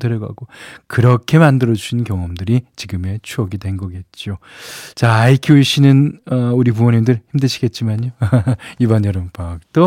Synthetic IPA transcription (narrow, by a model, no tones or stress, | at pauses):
dɯɾʌɡa̰ɡ̥okɯɾʌkʰe̞mandɯɾʌd͡ʑuɕʰinnkjʌŋʌmdɯɾit͡ɕiɡɯme̞t͡ɕʰuʌɡidwe̞nɡʌɡe̞t̚t͡ɕ͈iot͡ɕaaikʰjiɕʰinɯnʌuɾip̬uʌnimndɯɭçimdɯɕʰiɡe̞t̚t͡ɕ͈imaɲoibʌnʌɾɯmpak̚t͈o